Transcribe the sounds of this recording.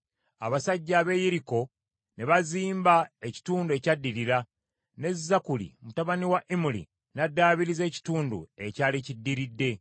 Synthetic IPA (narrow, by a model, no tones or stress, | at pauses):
aβasaɟːaːβe̞jiɾiko̞ | ne̞βaziːmbae̞ci̥tuːndue̞cadːiɾiɾa | ne̞zːakulḭmutaβaniwaʔimulḭ | nadːaːβiɾize̞ːci̥tuːndṵe̞caːlicidːiɾidːe̞